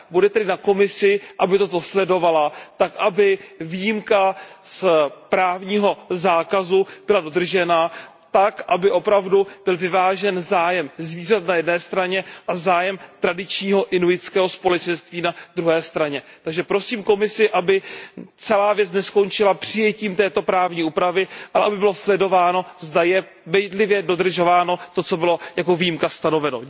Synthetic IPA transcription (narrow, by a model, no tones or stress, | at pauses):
budɛt̪ɛdɪnako̞mɪsɪʔabɪt̪o̞t̪o̞slɛdo̞valat̪akʔabɪvijimkaspɾaːvɲiːɦo̞zaːkazub̥ɪlado̞d̪r̩ʒɛna | t̪akʔabɪʔo̞pɾavdub̥ɪlvɪvaːʒɛnzaːjɛmzviːr̝at̪najɛdnɛːst̪ɾaɲɛʔazaːjɛmt̪ɾadɪt͡ʃɲiːɦo̞ʔɪnuɪt͡skɛːɦo̞spolɛt͡ʃɛnst̪viːnad̪ɾuɦɛːst̪ɾaɲɛ | t̪aɡʒɛpɾo̞siːmko̞mɪsɪʔabɪt͡sɛlaːvjɛt͡snɛsko̞nt͡ʃɪlapr̝̥ɪjɛciːmt̪ɛːt̪o̞pɾaːvɲiːuːpɾavɪʔalɛʔabɪbɪlo̞slɛdo̞vaːno̞zdajɛ | bɛjdlɪvjɛdo̞d̪r̩ʒo̞vaːno̞t̪o̞t͡so̞bɪlo̞jako̞vijimkast̪ano̞vɛno̰